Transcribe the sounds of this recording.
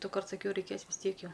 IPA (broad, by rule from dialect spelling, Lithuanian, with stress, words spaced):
dʊˈkɐrt sɐˈkʲɛʊ rʲɛɪˈkʲeːs ʋʲɪs ˈtʲiɛk ˈjɛʊ